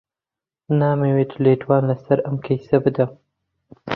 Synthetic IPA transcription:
nɑːmewet̪ʰʊleʈwɑːnlasaɾamkʰajsabɨd̪am

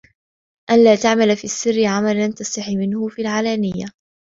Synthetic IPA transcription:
ʔanlaːt̪aʕmalfiːʔasːɪrːɪʕamalant̪asˤt̪aħimɪnhʊfiːlʕaːlaːnɪjːa

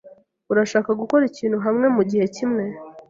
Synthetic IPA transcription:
uɾaʃaːkaɡuko̞ɾiciːnhuɦamŋe̞muɟihe̞cimŋe̞

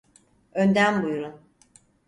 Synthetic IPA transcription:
ønd̪ænbujuɾun

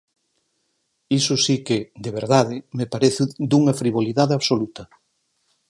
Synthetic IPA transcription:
isʊsiked̪eβeɾðaðɪmepaɾeθɪd̪uŋɐfɾiβ̞oliðaðeaβsolut̪ɐ

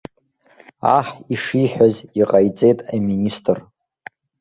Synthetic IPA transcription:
a̰ħiʂiħʷᶣaziqʼajt͡sʼe̞jtʼaministʰʼɨr

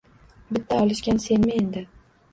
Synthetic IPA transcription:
bɪt̪ʰːaɒlˠɪʃkʲanse̞nmɪe̞nd̪ɪ

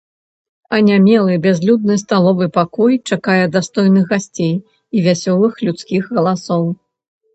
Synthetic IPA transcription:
ɐnʲamʲɛlˠɨbʲazʲlʲud̪̚nɨst̪alˠɔvɨpakɔjt͡ʂakajɛd̪ast̪ɔjnɨɣɣasʲt͡sʲej | ivʲasʲɔlˠɨxlʲut̪skʲixɣɐlˠasɔw

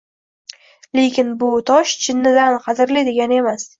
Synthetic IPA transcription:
le̞kʲɪnbʊt̪ʰɒʃt͡ʃʰɪnːɪd̪anqʰɑzɪɾlɪd̪e̞ɡʲane̞mas

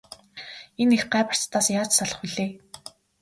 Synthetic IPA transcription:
enexɢæːpə̥̆r̥t͡st̪ʰːaːsjaːt͡ɕsaɮə̆χuɮeː

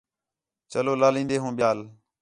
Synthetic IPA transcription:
t͡ʃəloːlaːlĩːnd̪eːɦũːɓɪjaːl

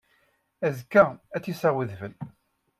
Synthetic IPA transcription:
æzkːææt͡sːisæwəðvəl

